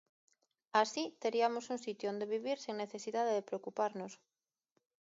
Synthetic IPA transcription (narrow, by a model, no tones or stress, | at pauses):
asit̪eɾiamosunsit̪joond̪eβ̞iβ̞iɾsiŋneθesiðaðeðepɾeokupaɾnos